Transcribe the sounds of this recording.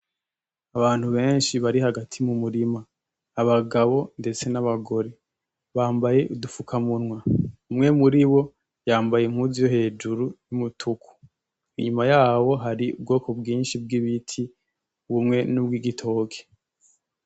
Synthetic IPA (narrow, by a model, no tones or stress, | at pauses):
aβaːn̥huβe̞ːnʃiβaɾihaɡatʰimumuɾimaː | βaɡaβo̞nde̞t͡se̞naβaɡo̞ɾe̞ | βaːmbaje̞udufukʰamunŋwaumŋe̞muɾiβo̞ | jaːmbajemhuzijoɦe̞ːd͡ʒuɾujumutʰukʰu̥ | iɲumajaːwo̞ɦaɾiṵb̚ɡo̞ːkʰo̞bɡiːnʃib̚ɡiβitʰi | βumŋe̞nubɡiːɡitʰo̞ːkʰe̥